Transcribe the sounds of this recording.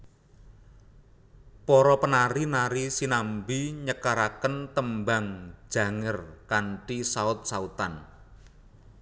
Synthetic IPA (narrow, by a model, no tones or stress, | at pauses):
pɔɾɔpənaɾinaɾisinambiɲəkaɾakənt̪əmbaŋ̥d͡ʒ̥ä̤ŋərkaɳʈisaʊt̪̚saut̪an